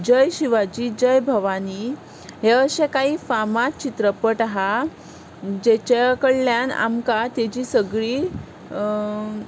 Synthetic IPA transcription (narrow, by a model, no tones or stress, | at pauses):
d͡ʑəjɕiʋad͡ʑiːd͡ʑəjbʱəʋaniː | ɦeəɕẽkaɦiːfamat͡ɕit̪ɾəpəʈaɦa | d͡ʑet͡ɕakəɭljana̰mkat̪ed͡ʑiːsəɡɭiː